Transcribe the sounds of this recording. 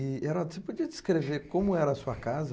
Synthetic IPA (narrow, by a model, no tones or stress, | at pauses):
ɪeɾɔd̪sepod͡ʒiɐdɪskɾeveɾkõmʊɛɾɐːsuɐkazɐ